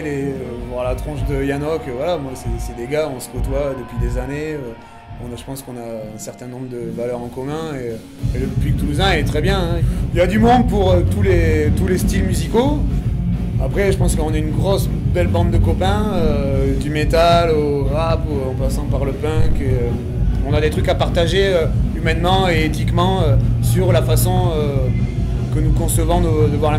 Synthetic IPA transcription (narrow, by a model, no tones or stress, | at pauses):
lẽvwaʁlat̪χɑ̃ʃd̪əjanɔkøvwalamwasɛsɛd̪eɡaɔ̃sə̥kɔt̪wad̪əpɥid̪ezaneø | ɔ̃ʒəpɑ̃skɔ̃naɛ̃sɛʁt̪ɛ̃nɔ̃bʁəd̪əvalœʁɑ̃kɔmɛ̃eø | eləpik̚t̪uzɛ̃iɛt̪χɛbjɛ̃ɛ̃iljad̪ymɔ̃d̪̚puʁøt̪ulet̪ulest̪ilmyziko | apχɛʒəpɑ̃skəɔ̃naynɡʁɔsbɛlbɑ̃d̪d̪əkɔpɛ̃ød̪ymet̪aloʁapuɑ̃pasɑ̃paʁləpɛ̃keø | ɔ̃nad̪et̪χykapaʁt̪aʒeøymɛnmɑ̃eːt̪ikmɑ̃øsyʁlafasɔ̃ø | kənukɔ̃səvɔ̃d̪əd̪əvwaʁla